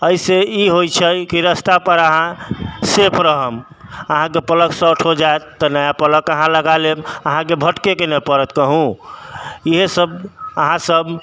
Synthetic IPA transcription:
əiseiɦojt͡ʃʰəjkiɾəst̪apəɾəɦãsepʰɾəɦəm | əɦãk̬epələksəʈʰod͡ʒaet̪t̪ːənəjapələkəɦãləɡaleməɦãk̬ebʱəʈkekenəpəɾət̪kəɦũ | iɦesəbəɦãsəb

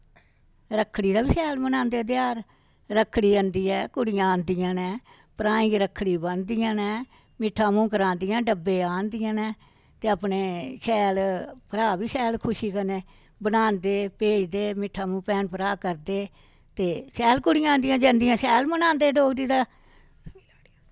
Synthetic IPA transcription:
ɾəkʰːɽiːd̪aːbiːsɛːlmənãːnd̪eːd̪ɪjaːɾ | ɾəkʰːɽiːənd̪iːɛːkʊɽɪjãːnd̪ijãːnɛ̃ː | pɾãːĩːɾəkʰːɽiːbənd̪ɪjãːnɛː | mɪʈʰːaːmũːkəɾãːnd̪ɪjãːɖəbːeːaːnd̪ɪjãːnɛː | t̪eːapneːsɛːlpəɾaːbiːsɛːlkʰʊʃiːkəneː | bənãːnd̪eːpeːd͡ʒd̪eːmɪʈʰːaːmũːpɛːnpəɾaːkəɾd̪eː | t̪eːsɛːlkʊɽɪjãːnd̪ijãːd͡ʒə̃ːnd̪ijãːsɛːlmənãːnd̪eːɖoːɡd̪iːd̪aː

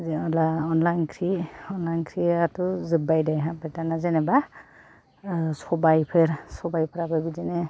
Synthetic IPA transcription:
zlaɔnlajnkʰɾiɔnlajnkʰɾiatuzɯbajdajɦãbɛtanazɛnɛba | sɔbajpʰeɾsɔbajpʰɯɾababizɛnɛ

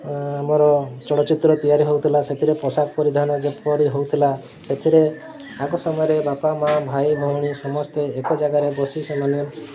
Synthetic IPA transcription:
amɔɾɔt͡ʃɔɽɔt͡ʃit̪ɾɔt̪ijaɾiɦowt̪ʰilaset̪ʰiɾepɔsak̚pɔɾid̪ʱanɔd͡ʒepɔɾiɦowt̪ʰila | set̪ʰiɾe | aɡɔsɔmɔjɔɾebapamabʱajbʱɔwɽ̃isɔmɔst̪eekɔd͡ʒaɡaɾebɔsisemane

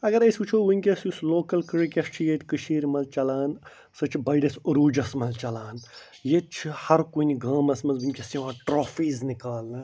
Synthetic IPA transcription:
ɐɡɐɾɐsʲut͡ʃʰoːʋiŋʲkʲesjusloːkɐlkɨɾikʲɐst͡ʃʰijet̪ʲkɨʃʰiːɾmɐlt͡ʃɐlaːn | sɐt͡ʃʰibɐɖɐsuɾuːd͡ʒɐsmɐlt͡ʃɐlaːn | jet͡ʃʰihɐɾkuniɡãːmɐsmɐnzbinʲkʲɐsiʋãːʈɾoːfiːznikaːlnɐ

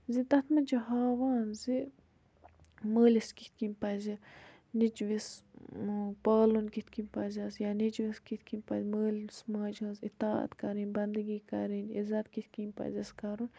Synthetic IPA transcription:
zit̪ɐt̪ʰmɐd͡ʒɐɦaːʋaːnzi | məːliskit̪̚ʲkinʲpɐzʲi | nit͡ʃʋis | paːlunkit̪ʰʲkinʲpɐzʲasjanit͡ʃʋiskit̪̚ʰʲkinʲpɐzʲməːlsmaːd͡ʒɐ̃ːzit̪aːɐ̰t̪kɐɾinʲbɐnd̪ɨɡiːkɐ̰ɾiːnḭzɐt̪̚kit̪̚ʲkinʲpɐ̰zʲɐskɐɾun

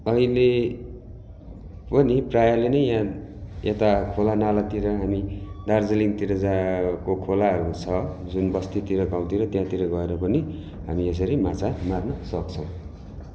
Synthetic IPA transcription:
ʌɦile | pʌniprajalenʌjjãet̪akʰolanalat̪iɾʌɦamid̪ard͡zʌliŋt̪iɾʌd͡zakokʰolaɦʌɾut͡sʰʌd͡zunbʌst̪it̪iɾʌɡaw̃t̪iɾʌt̪jãt̪iɾʌɡʌeɾʌpʌni | ɦamies̬ʌɾimat͡samarnʌsʌkt͡sʰʌw̃

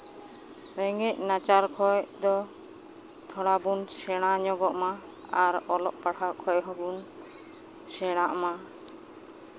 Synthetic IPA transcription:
ɾɛŋɛc̚nat͡ʃaɾkʰɔjd̪ɔ | t̪ʰɔɽabunsɛɽ̃aɲɔɡɔʔmaaɾɔlɔʔpaɽʰakʰɔjɦɔbun | sɛɽ̃aʔma

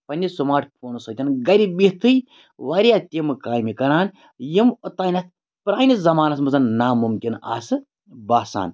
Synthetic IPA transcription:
pɐnʲːisumaːʈʰpʰoːnsɐt̪ʲɐnɡɐɾʲibiht̪ɨj | ʋaːɾʲijaːt̪ʲimɨkaːjmikɐɾaːn | jimot̪aːnʲɐt̪ | pɾaːnizɐmaːnɐsmɐzɐnnaːmumkʲina̰ːsɨ | baːsa̰ːn

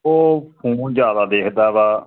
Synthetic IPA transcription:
oːpʰũːnd͡ʒjaːd̪aːd̪eːkʰd̪aːbaː

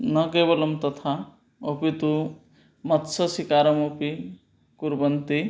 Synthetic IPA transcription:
nɐkeːbɐlɐmt̪ɐt̪ʰa | opit̪u | mɐt̪sɐsikaːɾɐmopi | kuɾbɐnt̪i

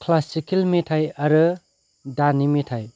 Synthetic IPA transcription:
kʰlasikelmetʰajaɾɯ | danimetʰaj

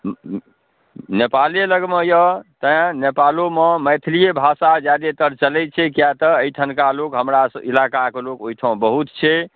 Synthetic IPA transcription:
nepaleləɡmejɔt̪ə̃nepalomeməjt̪ʰilijebʱasad͡ʒad̪et̪əɾt͡ʃəlɛt͡ʃʰɛkjat̪əəiʈʰənkalokɦəmɾasilakakelokojʈʰəõbəɦut̪t͡ʃʰɛ

